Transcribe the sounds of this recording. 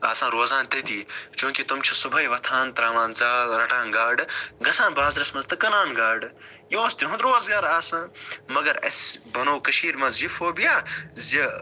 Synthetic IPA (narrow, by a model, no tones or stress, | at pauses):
aːsãːɾoːzãːnt̪ed̪iːt͡ʃũːkit̪umt͡ʃʰisubʱɐjʋɐt̪ʰaːnt̪ɾaːmãːnzaːlɾɐʈãːnɡaːɖɡɐsãːnbaːzɾɐsmɐzt̪ɐkɐnaːnɡaːɖ | jõːst̪iɦũnd̪ɾoːzɡaɾaːsãːmɐɡɐɾɐ̰sbɐnoːkɐʃiːɾmɐ̃zifoːbijaːzi